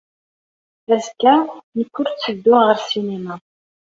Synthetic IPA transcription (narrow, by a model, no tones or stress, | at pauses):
æzkːænəkːʊɾt͡sːəd̪ːʊʁəɾsinema